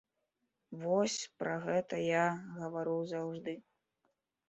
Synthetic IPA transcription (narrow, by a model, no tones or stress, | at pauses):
vɔsʲpɾɐɣɛt̪ɐjaɣɐvaɾɨwzawʐd̪ɨ